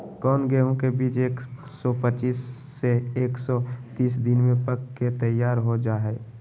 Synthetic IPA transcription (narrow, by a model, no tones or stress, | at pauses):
kɔːnɡɛõkebiːt͡ʃeːksɔpət͡ʃiːsː | eeːksɔt̪iːsd̪ɪnmẽpəkket̪əjaːɾɦod͡ʒaːɦɛː